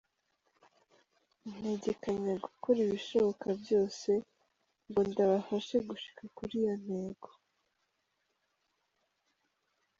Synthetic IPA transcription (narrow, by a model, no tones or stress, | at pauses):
n̥e̞ɟe̞kaɲaɡukʰoɾiβiʃo̞βo̞kʰabjo̞ːse̞ | ŋɡo̞ndaβafaʃeɡuʃi̥kakuɾijon̥e̞ːɡo̥